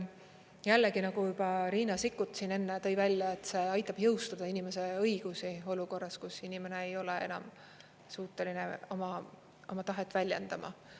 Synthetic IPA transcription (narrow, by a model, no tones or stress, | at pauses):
jælːeɡinɑɡ̥ujub̥ɑɾiːnɑsikːˑut̪ˑsine̞nːet̪ɤ̞jvælʲjɑe̞t̪ːˑse̞ɑjt̪ːˑɑb̥jɤ̞wst̪ɑd̪̥ɑinime̞se̞ɤjɡ̥usio̞luko̞rːɑskusinime̞ne̞ejo̞lee̞̰nɑ̰m | suːt̪ːˑe̞line̞o̞mɑ | o̞mɑt̪ɑɦet̪ːˑvælʲjend̪̥ɑmɑ̰